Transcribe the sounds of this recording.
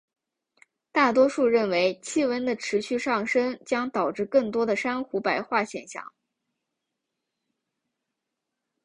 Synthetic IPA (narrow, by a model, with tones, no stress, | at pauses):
t̪a˥˩t̪wɔ˥ʂu˥˧ɻə˥˩nwe˧˥ɪt͡ɕʰi˥wə˧˥nd̪ə˨ʈ͡ʂʰɻ̩˧˥ɕy˥˧ʂɑ˥˩ŋʂə˥ŋt͡ɕjɑ˥ŋt̪ɑ˨˩ʊʈ͡ʂɻ̩˥˧kɤ˥˩ŋt̪wɔ˥d̪ə˨ʂa˥nxu˧˥pa˧˩ɪxwa˥˩ɕjɛ˨˩nɕjɑ̰˥˩˦ŋ